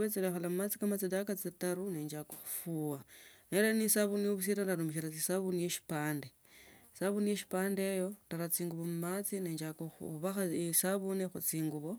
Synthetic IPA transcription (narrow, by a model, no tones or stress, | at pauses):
βet͡seɾexolamumat͡sikamat͡sidakat͡setaɾuneːɲd͡ʒakoxu̥fuwaneɾanisaβunijoβus̬iɾandaɾumiʃ̬iɾat͡sisaβunijeʃi̥paːnde | saβunijeʃi̥paːndejo̞taɾat͡siːŋɡuβomumat͡sineːɲd͡ʒakouβaxasaβunexut͡siːŋɡuβo